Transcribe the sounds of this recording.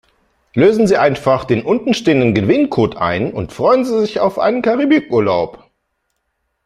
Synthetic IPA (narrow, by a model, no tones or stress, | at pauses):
løːzn̩ziːʔaɪnfaχd̥eːnʔʊntn̩ʃteːəndənɡəvɪnkʰoːtʰʔa̰ɪnʊntfʁ̥ɔʏənziːzɪça̰ʊfʔa̰ɪnənkʰaʁibykʔuːɐla̰ʊp